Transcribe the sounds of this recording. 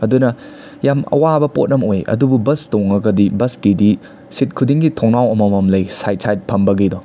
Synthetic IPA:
ɐdunɐ | jamɐ̰wabɐpo̰t̚ɐmojɐ̰dububɐstoŋɐɡɐdibɐskidi | sit̚kʰudiŋɡitʰoŋnawɐmɐmɐmlɐjsajt̚sajt̚pʰɐmbɐɡidɔ

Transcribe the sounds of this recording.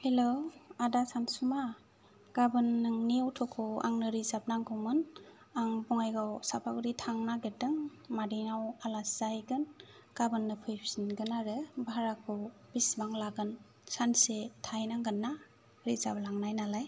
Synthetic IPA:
helowadasansuma | ɡ̥abɯnːɯŋniawtʰɔkʰɔa̰ŋnɯɾizap̚naŋɡɔmɯn | aŋbɔŋajɡawsapʰakɾitʰaŋnaɡedɯŋ | madiŋawalaszajɡɯn | ɡ̥abɯnːɯpʰɯjpʰsinɡɯnaɾɯbaaɾak̚ʰɔbismaŋlaɡɯn | sansetʰajnaŋɡɯnːa | ɾizablaŋnajnalaj

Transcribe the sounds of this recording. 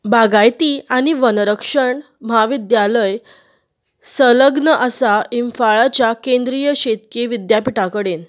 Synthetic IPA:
baɡajt̪iːaɽ̃iʋənɾəkʂəɳ | m̤aʋid̪jaləj | sələɡnəʔəsaimfaɭat͡ɕjakẽnd̪ɾijəɕet̪keʋid̪japiʈakəɽen

